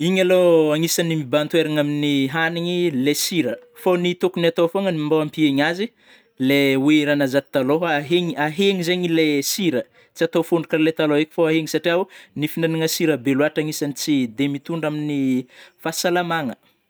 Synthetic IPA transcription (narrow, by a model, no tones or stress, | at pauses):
iɲaloaŋisanimibant̪weɾaŋaminiɦaniɲilesiɾəfonit̪okuniat̪oafoŋənimbawampieɲazi | leweɾanazaʈ͡ʂi̥t̪aloɦaɦeɲiaɦeŋizeɲilesiɾə | t͡siat̪ofuɳɖ͡ʐu̥kaɾlet̪aloekʲi̥foaɦeŋisaʈ͡ʂiawnifinaniŋasiɾəbeluaʈ͡ʂaŋisanit͡sid̪emit̪uɳɖ͡ʐaminifasalamaŋə